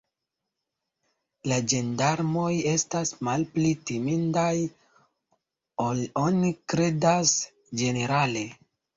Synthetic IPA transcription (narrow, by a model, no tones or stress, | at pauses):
lad͡ʒe̞ndaɾmo̞je̞stasmalplitimindaj | olonikɾe̞das | d͡ʒe̞ne̞ɾale̞